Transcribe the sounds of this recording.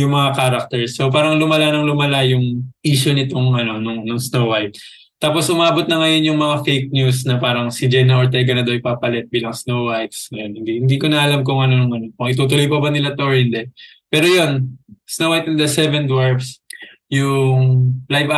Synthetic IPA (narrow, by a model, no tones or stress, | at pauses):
jʊŋmɐŋakaːɾɐk̚t̪ɛɹsːo̞paːɾɐŋlʊmɐlanɐŋlʊmɐlajʊŋʔiːʃʊnɪt̪oŋɐno̞nʊŋnʊŋsnowwajt̪̚ | t̪ːaːpo̞sʔʊmaːbot̪̚nɐŋɐjo̞njʊŋmɐŋafejk̚njusnɐpaːɾɐŋsɪd͡ʒɛnɐʔoɹt̪̬ɛɡɐnɐd̪awɪpaːpɐlɛt̪̚biːlɐŋsnowwajt̪sŋɐjonhɪnd̪ihɪnd̪ikonɐʔɐlamk̬ʊŋɐno̞nʊŋɐno̞kʊŋɪt̪uːt̪ʊlojpɐbɐnɪlat̪oɹɪnd̪ɛ | pɛːɾojo̞nsnowajt̪ɪnd̪ɐsɛvɛnd̪waɹbs | jʊŋlajva